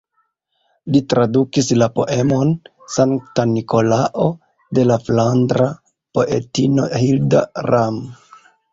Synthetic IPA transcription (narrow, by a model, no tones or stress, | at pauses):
litɾadukislapo̞ʔe̞mo̞n | saŋktaniko̞laʔo̞ | de̞laflandɾa | po̞ʔe̞̰tino̞hilda̰ɾam